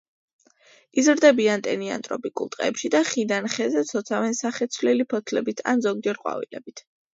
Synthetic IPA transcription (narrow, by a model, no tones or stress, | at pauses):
izɾd̪ɛbiant̪ʼɛnia̰nt̪ʼɾɔ̰pikʼṵlˠt̪ʼqʼɛ̰ːpʃid̪aχid̪anχɛzɛt̪sʰɔt̪sʰavɛnsaχɛt̪sʰvlɛlipʰɔt̪ʰlɛbit̪ʰa̰nzɔɡd͡ʒɛɾqʼwa̰vḭlɛ̰bit̪ʰ